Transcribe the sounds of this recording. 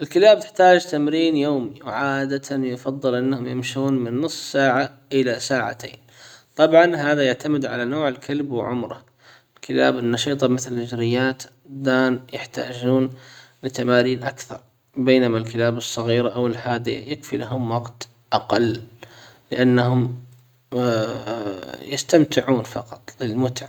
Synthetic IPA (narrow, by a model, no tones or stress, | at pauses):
ʔɪlkɪlaːb̚t̪ɪ̥ħt̪aːd͡ʒt̪amɾiːnjoːmiwʕaːd̪at̪ʰanjʊfɑðˤːɨlʔɪnːahʊmjɪmʃuːnmɪnːɨsˤːsaːʕa | ʔɪlasaːʕa̰t̪ḛːn | t̪ˤɑbʕɑnhaːðajaʕt̪amɪd̪ʕalanoːʕɪlkʰalbwɪ̰ʕʊ̰mɾˤɑ̰ | ɪlkɪla̰ːbɪnːɑʃiːt̪ˤɑmɪθlhɪd͡ʒɾɪjːaːt̪ | d̪aːnjɪħt̪a̰ːd͡ʒuːnlɪt̪amaːɾiːnʔakθɑɾˤ | beːnamalkɪlaːbɨsˤːɑɣiːɾʔawɪlħaːd̪ɪa̰jɪkfilaɦʊmwɑɡt̪ | ʔaqɑlː | lɪʔanːahʊm | jɪst̪amt̪ɪʕuːnfɑqɑt̪ˤlɪlmʊt̪ʕa